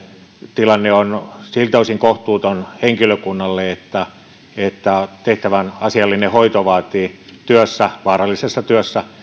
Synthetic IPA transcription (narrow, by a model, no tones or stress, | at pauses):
t̪ilɑnːeonsilt̪oisiŋkoht̪uːt̪onheŋkiløkunːɑlːeet̪ːæ | et̪ːæt̪eht̪æʋænɑsiɑlːinehoit̪oʋɑːt̪iːt̪yøsːæʋɑːrɑlːisesːɑt̪yøsːæ